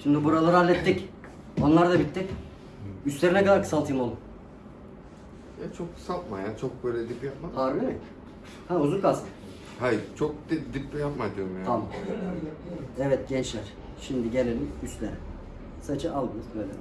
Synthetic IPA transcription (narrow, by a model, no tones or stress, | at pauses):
ʃimd̪ɪbuɾalˠaɾalʲːɛt̪ːic | o̞nlˠaɾd̪abit̪ːic | ysʲe̞ɾinɛkad̪aɾkʰɯ̥salˠt̪ʰɯːɯmolˠum | jat͡ʃʰo̞kʰsat̪majant͡ʃʰo̞k̚bøjlʲɛd̪ipːijap̚maaɾbilɛ | hæuzunkʰast̪ɯ̥ | hajt͡ʃʰok̪̚id̪ipːijapmad̪ɯɾmjat̪ʰamam | ɛvɛt̪̚ɟɛnt͡ʃlʲæɾ̥ | ʃimd̪iɟenelʲiyst̪lʲeɾɛ | sat͡ʃʰɯʔalˠɡɯmɯznelʲɛ̰